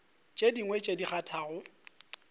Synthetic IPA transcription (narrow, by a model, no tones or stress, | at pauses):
t͡ʃʼediŋwet͡ʃʼediχatʰaːɣʊ